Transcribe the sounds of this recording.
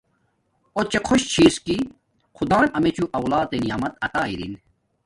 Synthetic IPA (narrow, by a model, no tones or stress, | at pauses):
ot̪̚t͡ɕekʰoɕt͡ɕʰiːski | kʰud̪aːnɐmet͡ɕuʔɐwlaːd̪enijaːmɐt̪ɐt̪aːiɾḭn